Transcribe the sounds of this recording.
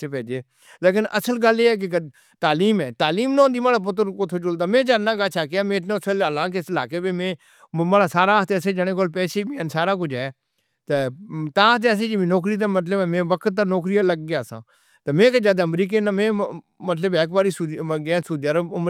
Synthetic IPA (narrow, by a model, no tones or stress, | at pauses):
epɛːd͡ʒeː | leːkɪnʔəsəlɡəleːɛːk̬ɪkə | t̪aːliːmɛːt̪aːliːmnãːnd̪iːmaːɽap̬ʊt̪əɾkʊt̪ʰoːt͡ʃʊld̪aːmẽːd͡ʒad̪nãːɡaːt͡ʃʰaːk̬ːaːmẽːnõsələlãːk̬esɪlaːkeːbeːmẽː | maːɽaːsaːɾaːt̪eːsẽːd͡ʒəɽ̃ẽːkoːlpɛːseːmẽəːnsaːɾaːk̬ʊd͡ʒɛː | t̪ət̪aːt̪eəs̬ẽːd͡ʒemẽːnɔːk̬ɾiːt̪̬emət̪ləbmẽːʋəkət̪̚ːaːnɔːk̬ɾiːaləɡɡɪjaːsã̰ː | t̪əmẽːkəd͡ʒad̪əmɾiːk̬enamẽː | mət̪ləbɛːkbaːɾiːsuɡãːsuːd̪jaːɾəʊm